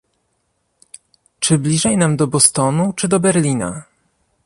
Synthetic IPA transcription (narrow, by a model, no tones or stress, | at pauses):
t͡ʂɘblʲiʐɛjnamd̪ɔbɔst̪ɔnut͡ʂɘd̪ɔbɛɾlʲina̰